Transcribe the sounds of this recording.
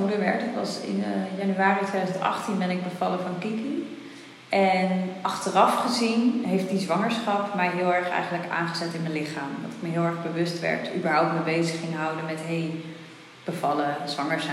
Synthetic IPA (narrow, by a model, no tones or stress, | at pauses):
uləʋɛ̰ɹtətʋɑsɪ̰njɑnyaːritʋejdazəntɑ̰χtinbɛnɪɡ̚bəvɑləvɑnkiki | ɛnɑχtərɑfχəzinɦejftdizʋɑŋəɹsχɑpmɛjɦɪlˠɛɹχɛ̰jχənləka̰ːnχəzɛtɪnmənlɪχaːmdɑ̰tɪkməɦɪːlˠɛɹχbəʋɵstʋɛ̰ɹtybəɹɦɔwp̚tməbejzəχɪŋɦʌwdənmɛtɦej | b̥əvɑləzʋɑŋəɹzɛ